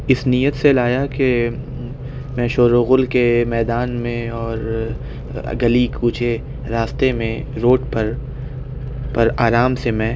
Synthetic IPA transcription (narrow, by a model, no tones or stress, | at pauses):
ɪsnijət̪selaːjake | mɛ̃ʃoːɾoɣʊlkemɛːd̪aːnmẽɔːɾ | ɡɐlikuːt͡ʃʰe | ɾaːst̪emẽ | ɾoːʈpɐɾ | pɐɾaːɾaːmsemɛ̃ː